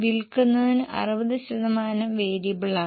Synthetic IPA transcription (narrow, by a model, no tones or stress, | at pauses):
ʋilkunːɐðinɨʔɐ̰rɨʋɐðɨɕɐðɐmaːnɐmʋeːɾibɭa